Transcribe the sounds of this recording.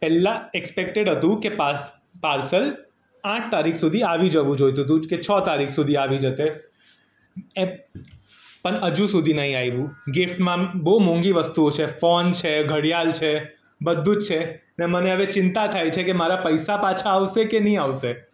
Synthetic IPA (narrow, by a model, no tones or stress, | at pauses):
pɛlːaɛkspek̚ʈeɽɦət̪ũkepas | paɾsəl | ãʈ̚ʰt̪aɾikʰsud̪ʱiaʋid͡ʒəʋũd͡ʒojt̪̬ut̪̬ũket͡ʃʰɔt̪aɾikʰsud̪ʱiaʋid͡ʒət̪e | e | pəɳəd͡ʒũsud̪ʱinəɦĩajʋũɡɪfʈmãbomõŋɡiʋəst̪uot͡ʃʰefɔnt͡ʃʰeɡʱəɽijalt͡ʃʰe | bəd̪ʱːũt͡ʃt͡ʃʰe | neməneəʋet͡ʃɪnt̪at̪ʰajt͡ʃʰekemaɾapəjsapat͡ʃʰaːʋsekenəɦĩaʋse